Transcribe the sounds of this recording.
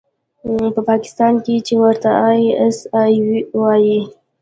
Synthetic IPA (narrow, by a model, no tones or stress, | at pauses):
pəpɑkɪ̥st̪ɑnket͡ʃewəɾt̪aʔɑjiasɑjwiwɑji